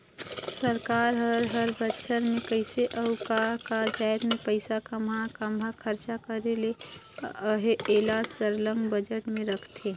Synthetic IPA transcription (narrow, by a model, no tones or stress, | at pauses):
səɾkaːɾɦəɾɦəɾbətːʃʰəɾmẽkəɪseʔɐʊkaːɾkad͡ʒaːt̪mẽpəɪsakɐmakɐmbʱakʰəɾt͡ʃakəɾele | ɦeːlaːd͡ʒsəɾlə̃ŋɡbɐd͡ʒəʈmẽɾɐkʰt̪eː